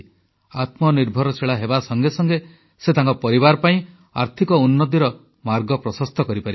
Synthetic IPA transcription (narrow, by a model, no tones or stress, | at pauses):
at̪mɔniɾbʱɔɾɔsʰeɭaɦebasɔŋɡesɔŋɡe | set̪aŋkɔpɔɾibaɾɔpaĩ | a̰ɾt̪ʰikɔunːɔt̪̬iɾɔ | maɾɡɔpɾɔsɔst̪ɔkɔɾipaɾi